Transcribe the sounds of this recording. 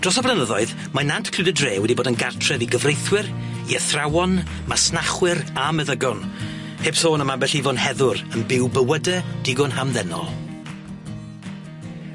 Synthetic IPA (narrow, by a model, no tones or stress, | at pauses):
d̥rɔsɔblˠənəðɔɨð | manantʰkʰl̥ɪdədreːwɛdiboːdənɡartʰrɛviɡəvrejθwɪr | iəθrawɔn | masnaχwɪɾaməðəɡɔn | hepsoːnəmabɛɬivɔnhɛðʊɾənbɪwbəwədɛd̥ɪɡɔnhamðɛnɔ̰lˠ